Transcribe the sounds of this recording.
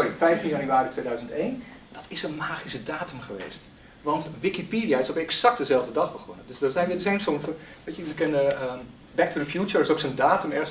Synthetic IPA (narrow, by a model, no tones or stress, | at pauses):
soifɛjftinjanyaːritʰʋeːdœɥzəntejnd̥ɔtɪsənmaːxisədaːtymχəʋḛːst | ʋɑntʋikipiːdiaɪsopɛksak̚tdəzɛlˠvdədɑxbəχɔ̰nədøsdərzɛjnʋɪsensomfəʋeːt͡ʃəəkɛnəə | bɛk̚tʰuɹəfjut͡ʃəɹɪsoːksəndaːtymɛrs